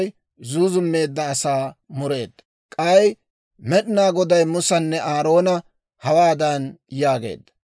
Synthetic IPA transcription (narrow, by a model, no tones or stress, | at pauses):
j | zuːzʊmːe̞ːd̪ːɐːsaːmʊɾe̞ːd̪ːɐ | kʼɐj | mɛɗɪnaːɡɔd̪ɐjmʊsɐnːɛʔaːɾo̞ːnɐ | hɐwaːd̪ɐnjaːɡe̞̰ːd̪ːɐ̥